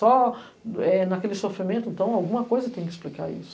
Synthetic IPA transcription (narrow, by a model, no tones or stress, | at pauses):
ɔ | ɛnɐkelɪsofɾimẽnt̪ʊɪẽnt̪ɐ̃w̃awɡũmɐkojzɐt̪ẽj̃kɪsplika̰ɾḭsʊ̥